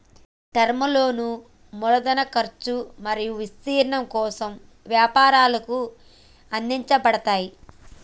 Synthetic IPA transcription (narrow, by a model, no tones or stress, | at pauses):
ʈɐɾmɐlo̞ːnu | mɔlɐd̪ɐnɐkɐɾt͡ʃumɐɾijuʋist̪iːɾɐɳɐmkɔːsɐm | ʋjaːpaːɾaːlɐku | ɐnd̪iɲt͡ʃɐbɐɽɐt̪aːji